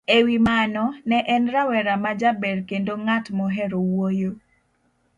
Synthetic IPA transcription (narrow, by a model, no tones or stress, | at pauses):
ewimanɔnɛʔɛnɾawɛɾamad͡ʒabɛɾkendoŋatmɔɦɛɾowojo